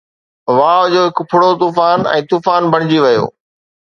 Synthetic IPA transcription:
ʋaːʋd͡ʑoːɦɪkpʰʊɽot̪uːfaːnɛ̰̃ːt̪uːfaːnbʱɐɽ̃d͡ʑiʋɐjo̰ː

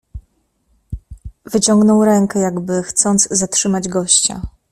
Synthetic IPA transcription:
vɘt͡ɕɔŋɡnɔwɾɛŋkɛjaɡbɘxt̪sɔnd̪zzatʂɘmad͡ʑɡɔɕt͡ɕa̰

